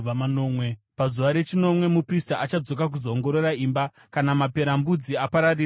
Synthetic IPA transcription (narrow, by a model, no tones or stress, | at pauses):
amanoːmwe | pazuʋaɾe̞t͡ʃino̞mwe̞mupristaʔat͡ʃad͡zo̞kak̬uzoːŋɡo̞ɾo̞raiːmba | kanamape̞ɾambud͡ziapaɾari